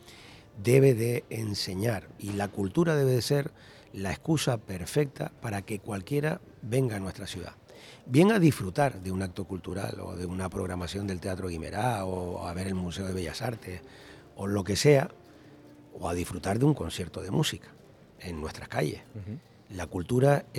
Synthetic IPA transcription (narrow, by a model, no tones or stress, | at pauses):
d̪e̞βe̞ðe̞ːnse̞ɲaɾilakult̪uɾað̞e̞βe̞ðe̞se̞ɾ | laehkusape̞ɾfe̞k̚t̪a̰paɾake̞kwalkje̞ɾa | be̞ŋɡaːnwe̞ht̪ɾasjuða̰ | bje̞ŋaðisfɾut̪aɾðeunak̚t̪o̞kult̪uɾa̰lo̞̰ðeunapɾo̞ɣɾamasjo̞nd̪e̞lt̪e̞at̪ɾoɣime̞̰ɾaoa̰βe̞ɾe̞lmuse̞oðe̞βeʎa̰saɾt̪e̞s | o̞lo̞ke̞se̞a | o̞aðifɾut̪aɾðeuŋko̞nsje̞ɾt̪o̞ðe̞musikḁ | e̞ŋːwe̞st̪ɾahkaʎe̞̰h | lakult̪uɾa